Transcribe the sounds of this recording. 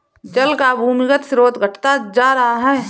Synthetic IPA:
d͡ʒəlkabʱuːmɪɡət̪sɾoːt̪ɡʱəʈʰt̪ad͡ʒaːɾɐɦaɦɛː

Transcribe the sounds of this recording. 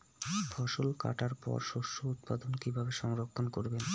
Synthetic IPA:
fʰɔʃolka̰ʈaɾpɔ̰ɾʃoʃout̪̚pad̪onkibʱabeʃɔŋɾokʰːonkoɾben

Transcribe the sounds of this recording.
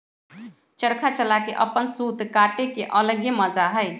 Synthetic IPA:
t͡ʃəɽkʰat͡ʃəlakḛʔəpːənsut̪kaʈekeʔələɡjəməd͡ʒaɦəɪ

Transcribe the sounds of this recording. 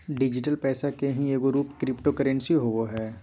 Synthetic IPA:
ɖɪd͡ʒɪʈəlpɛːsakeɦĩeːɡoɾuːpkɾɪpʈokəɾə̃nsiɦoʋoɦɛː

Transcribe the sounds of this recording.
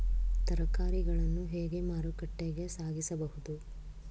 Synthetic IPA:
t̪ɐɾɐkaːɾiɡɐɭɐnːuɦeːɡe̞maːɾukɐʈːeɡe̞saːɡisɐbɐɦud̪u

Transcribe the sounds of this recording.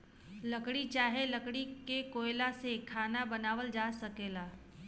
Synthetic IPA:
lɐkɽit͡ʃaːɦelɐkɽikekoːɪlasekʰaːnabɐnaːʋəld͡ʒaːsɐkeːlaː

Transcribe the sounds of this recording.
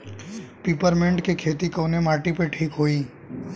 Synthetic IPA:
piːpəɾmẽːɳɖkekʰeːt̪ikoːnemaːʈipeʈʰiːkɦoːiː

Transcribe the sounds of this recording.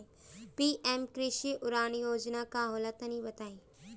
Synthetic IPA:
piːʔemkɾɪʃiʔʊɾaːnjoːd͡ʒnakaɦoːlat̪ənĩbɐt̪aːi

